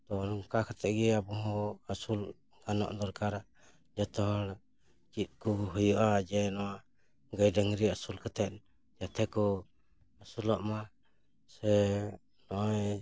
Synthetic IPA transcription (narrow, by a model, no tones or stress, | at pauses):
t̪ɔnɔŋkakʰat̪ʰɛʔ̪̚ɡɛabɔɦɔ̃asul | ɡanɔ̰ʔd̪ɔɾkaɾa | d͡ʒat̪ɔɦɔɽ | t͡ʃit̪̚ˀkɔɦujɔʔad͡ʒɛnɔwa | ɡajɖəŋɾiasulkʰat̪ʰɛt̪̚ | d͡ʒat̪ʰɛkɔ | asulɔʔma | sɛ | nɔʔɔj